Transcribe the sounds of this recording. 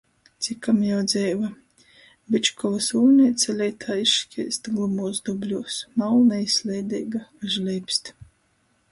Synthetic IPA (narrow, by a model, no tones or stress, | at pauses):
t̪sʲikamjawd̪zʲɛjva | bʲit͡ʃkɔvasuːnʲɛjt̪sʲɛlʲɛjt̪ʰaːiʃkʲʰiːst̪ɡlˠumuːzd̪ɔblʲuɔsmawnaislʲɛjd̪ɛːɡaaʒlʲɛjpst̪